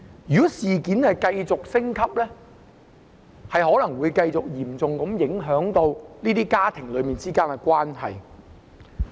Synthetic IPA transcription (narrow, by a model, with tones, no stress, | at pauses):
jyː˨˩kɔ˨˥siː˨kiː˨˥nhɐ˨jkɐ˧jt͡sʊ˨k̚sɪ˥ŋkʰɐ˥p̚lɛː˥ | hɐ˨jhɔː˨˥lɐ˨˩ŋwuː˨˧jkɐ˧jt͡sʊ˨k̚jiː˨˩mt͡sʊ˨ŋkɐ˨˥mjɪ˨˥ŋɦœː˨˥ŋt̪o˧wniː˥t̪iː˥kaː˥t̪ʰɪ˨˩ŋlɵ˨˧ɥmiː˨nt͡siː˥kaː˥nkɛ˧kwaː˥nhɐ̰˨j